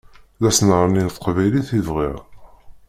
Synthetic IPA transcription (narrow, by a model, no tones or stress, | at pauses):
læsnəɾˤəninθə̥qvæjliθivʁiʁ